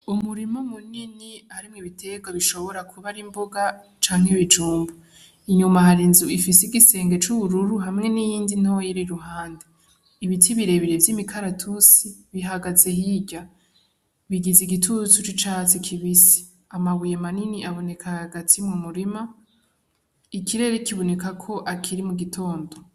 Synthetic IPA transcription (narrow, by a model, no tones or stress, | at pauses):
umuɾimomuniniaɾimŋiβitʰe̞ɡwaβiʃo̞βo̞ɾakʰuβaɾimboɡa | t͡ʃaːŋheβid͡ʒuːmbu | iɲumaɦaɾinzuifisiɡise̞ːŋɡe̞t͡ʃuβuɾuɾuɦamŋe̞nijiːndin̥awojiɾiɾuɦaːnde | iβitʰiβiɾe̞βiɾevjimikʰaɾatʰusiβiɦaɡaze̞ɦiːɟa | βiɡiziɡitʰut͡sut͡ʃit͡ʃaːt͡sikʰiβisi̥ | amaβujemaniniʔaβo̞ne̞kʰahaɡatʰimŋumuɾima | ikʰiɾe̞ɾekiβo̞ne̞kakʰo̞ʔakʰiɾimuɡitʰo̞ːndo